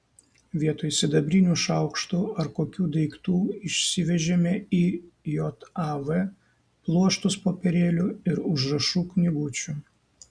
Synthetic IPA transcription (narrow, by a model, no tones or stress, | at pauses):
ʋʲiɛt̪oːjsʲɪd̪ɐbʲɾʲɪnʲuːʃɐʊkʃt̪uːɐɾkoːkʲuːd̪ɐɪkt̪uːɪʃʲsʲɪʋʲɛʒʲɛmʲɛiːjoːt̪ɑʋɛ | plˠuɔʃt̪ʊspoːpʲɛɾʲeːlʲʊɪɾʊʒɾɐʃuːknʲɪɡʊt͡ʃʲu